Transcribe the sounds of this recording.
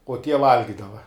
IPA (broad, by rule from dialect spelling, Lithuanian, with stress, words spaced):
uɔ tʲiɛ ˈʋɐlʲɡʲɪdɐʋɐ